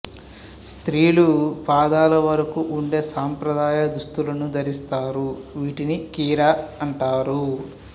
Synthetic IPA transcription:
st̪ɾiːlupaːd̪aːlɐʋɐɾɐkuʔːɳɖe̞ːsaːmpɾɐd̪aːjɐd̪ust̪ulɐnud̪ɐɾist̪aːɾuʋiːʈinikiːɾaːɐɳʈaːɾu

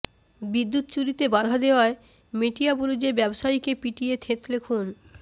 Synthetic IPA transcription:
bid̪ːut̪t͡ɕuɾit̪ebad̪ʱad̪eoae | meʈiabuɾud͡ʑebɛboʃajkepiʈiet̪ʰet̪lekʰun

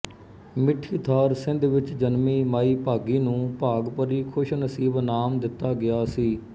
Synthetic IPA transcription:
mɪʈʰːiːt̪ʰaːɾsɪ̃nd̪ʋɪt͡ʃd͡ʒənmiːmaːiːpaːɡiːnũːpaːɡpəɾiːkʰʊʃnəsiːbnaːmd̪ɪt̪ːaːɡɪjaːsiː

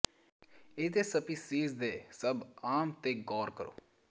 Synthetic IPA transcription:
eːd̪eːsəpiːsiːzd̪eːsəbaːmt̪eːɡɔːɾkəɾo̰ː

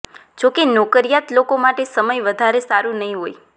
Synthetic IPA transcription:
d͡ʒokenokəɾijat̪lokomaʈesəməjʋəd̪ʱaɾesaɾũnəɦĩɦoj

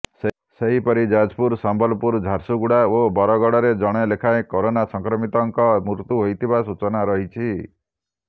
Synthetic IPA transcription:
s | seɦipɔɾid͡ʒad͡ʒpuɾsambɔlpuɾd͡ʒʱaɾsuɡuɽaobɔɾɔɡɔɽɔɾed͡ʒɔɽ̃ɔlekʰaekoɾonasɔŋkɾɔmit̪ɔŋkɔmuɾt̪uɦojt̪ʰibasut͡ʃɔnaɾɔɦit͡ʃʰi

